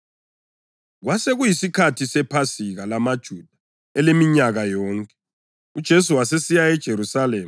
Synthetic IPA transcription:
ɣwaseɣujisikʰatʰisɛpʰasiɣalamad̥ʒ̥ʱud̥ʱa | ɛlemiɲaɣajɔːŋkʼɛ | ud̥ʒ̥ʱesuwasesijaɛd̥ʒ̥ʱeɾusaleːm

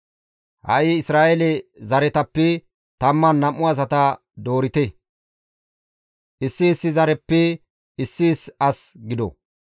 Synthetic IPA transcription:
hɐ̰ʔɪɪsɾaːʔɛlɛzɐɾɛt̪ɐpːɛ | t̪ɐmːɐnːɐmːʊɐs̬ɐt̪ɐ | d̪o̞ːɾɪt̪ɛ | ʔɪsːɪːsːɪzɐɾɛpːɛ | ɪsːiːsɐsɡɪd̪ɔ̰

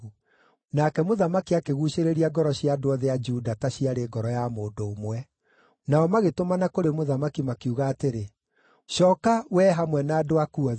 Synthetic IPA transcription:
nakɛmoðamakiakeɣuɕeɾeɾiaɡɔɾɔɕiadoɔðead͡ʒudataɕiaɾeɡɔɾɔjamoːdoːmwɛ | naɔmaɣetomanakoɾemoðamakimakiuɣaːteɾe | ʃɔːkawɛɦamwɛnaːdoakuɔ

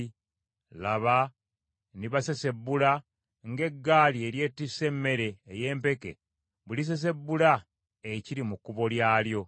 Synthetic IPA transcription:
laβa | niβasese̞bːula | ŋɡe̞ɡːaːlie̞ɾje̞ːtːise̞mːe̞ɾe̞ːje̞ːmpe̞ke̞̰ | βulis̬e̞s̬e̞bːula | eciɾimukːuβo̞ljaːljo̞

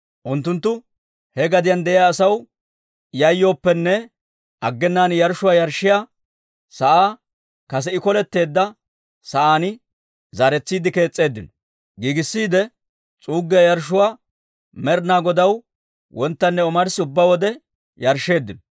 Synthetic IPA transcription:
ʔʊnt̪ːʊnt̪ːʊ | hɛɡɐd̪ɪjɐnd̪ɛʔɪjaːsɐw | jɐjːo̞ːpːɛnːɛ | ʔɐɡːɛnːaːnjɐɾʃʊwaːjɐɾʃːɪjaː | sɐʔaː | kɐs̬ɛɪkɔlɛt̪ːe̞ːd̪ːɐ | sɐʔaːnɪ | zaɾɛt͡sːiːd̪ɪke̞ːt͡sʼːe̞ːd̪ːɪnɔ̥ | ɡiːɡɪsːiːd̪ɛ | t͡sʼuːɡːɛjɐɾʃ̬ʊwaː | mɛɾnaːɡɔd̪ɐw | wʔɔnt̪ːɐnːɛɔmɐɾsɪʊbːawɔd̪ɛ | jɐɾʃːe̞ːd̪ːɪnɔ

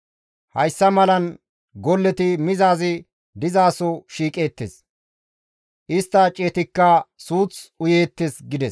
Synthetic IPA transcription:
hɐjsːɐmɐlɐn | ɡɔlːɛt̪ɪmɪzaːzɪ | d̪ɪzaːsɔʃiːkʼe̞ːt̪ːḛs | ʔɪst̪ːɐt͡ʃʼeːt̪ɪkːɐsuːt͡sʊjeːt̪ːesɡɪd̪ɛs

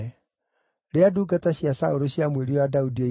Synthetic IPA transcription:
ɾeaduːɡataɕijasaoɾoɕiamweɾiwadaudie

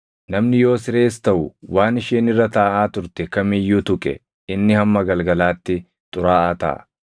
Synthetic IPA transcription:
nɐmnɪjo̞ːsɪɾe̞ːst̪ɐʔʊwaːnɪʃiːnɪrːɐt̪ɐʔaːt̪ʊɾt̪ɛkɐmɪjːuːt̪ʊkʼɛ̰ | ɪnːɪhɐmːɐɡɐlɡɐlaːt̪ːɪ | t̪ʼʊɾaːʔaːt̪ɐ̰ʔɐ̰

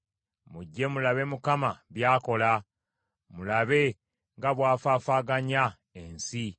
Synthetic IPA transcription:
muɟːe̞mulaβe̞mukamaβjaːko̞la | mulaβe̞ | ŋɡaβwaːfaːfaːɡaɲa | ensi

